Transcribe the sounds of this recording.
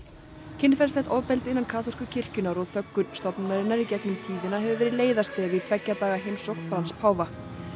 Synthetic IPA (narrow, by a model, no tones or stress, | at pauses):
cʰɪnːfɛlst̪ɛt̪ɔwpɛlt̪ɪnːankʰaːθɔr̥kʏcʰɪr̥cʏnaɾɔðθœkːʏɾst̪ɔpnnaɾɪnːaɾicɛknʏmt̪ʰiːðɪnaɦɛvʏvɛːɾɪðleːjðast̪ɛvit̪ʰvɛcːat̪aːɣaɦejmsɔxht̪fɾanspʰaːwva